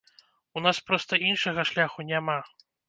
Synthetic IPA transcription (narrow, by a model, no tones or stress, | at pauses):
unaspɾɔst̪ɐinʂɐɣɐʂlʲaxunʲama